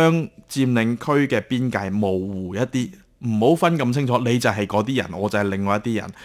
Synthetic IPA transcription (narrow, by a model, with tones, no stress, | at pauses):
œː˥ŋt͡siː˧mlɪ˨˧ŋkʰɵ˥ɥkɛː˧piː˥nkaː˧jmo˨˩wːuː˨˩jɐ˦˥t̚t̪iː˥ | m̩˨˩ho˨˥wfɐ˥nkɐ˧mt͡sʰɪ˥ŋt͡ʃʰɔː˨˥le˨˧jt͡sɐ˨wɦɐ˨jkɔː˨˧˥t̪iː˥jɐ˨˩nɔː˨˧t͡sɐ˨hɐ˨˩lɪ˨˩ŋɔː˨˧jɐ˥t̪iː˥jɐ̰˨˩n